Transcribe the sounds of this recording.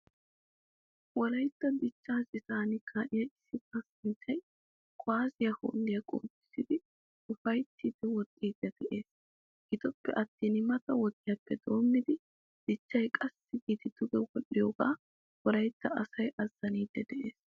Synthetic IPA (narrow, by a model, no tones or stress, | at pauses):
wɔlɐjt̪ːɐd̪ɪt͡ʃːaːsɪt̪aːnɪkʰaʔɪjɐɪsːɪt̪ɐsɪnt͡ʃːɐj | kʼʊaːzɪjɐho̰ːnd̪ɪjɐkʼo̰ːtːɪ̥sɪd̪ɪ | ʊfɐjt̪ːiːd̪ɛwɔt̪ʼːiːd̪̥ːɛd̪̥ɛʔe̞ːs | ɡ̥ɪt̪ɔpːɛ̰ʔɐt̪ːiːnɪmɐt̪ɐwɔt̪ʼːɪjɐpːɛd̪o̞ːmːɪd̪ɪ | d̪̥ɪt͡ʃːɐjkʼɐsːɪɡiːt̪ɪd̪̥ʊɡɛwɔlːɪjoːɡaː | wɔlɐjt̪ːɐɐsɐjʔɐzːɐniːd̪ːɛd̪ɛʔe̞ːs